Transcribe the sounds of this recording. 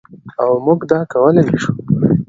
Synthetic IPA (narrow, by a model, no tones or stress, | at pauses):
awmuɡd̪ɑkawəlenaʃu̥